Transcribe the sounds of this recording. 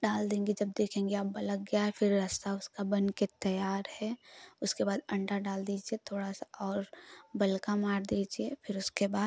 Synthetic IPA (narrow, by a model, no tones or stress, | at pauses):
ɖaːld̪ẽːŋɡed͡ʒɐb̚d̪eːkʰẽːŋɡeaːp̚bɐlək̚ɡɐjaɦɛfɪɾːɐst̪aʊskabɐ̃nket̪ɐjaːɾhɛʊskebaːd̪ɐ̃ɳʈaɖaːld̪iːd͡ʒiet̪ʰoːɽasaʔɔːɾbɐlkamaːɾd̪iːd͡ʒiefɪɾʊskebaːd̪